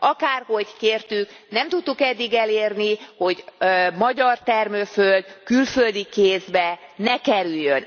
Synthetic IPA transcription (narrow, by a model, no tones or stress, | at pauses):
ɒkaːrho̞ɟkeːrt̪yknɛmt̪ut̪ːukɛd̪ːiɡɛleːrniho̞ɟmɒɟɒrt̪ɛrmøføld̪kylføld̪ikeːzbɛnɛkɛɾyjːøn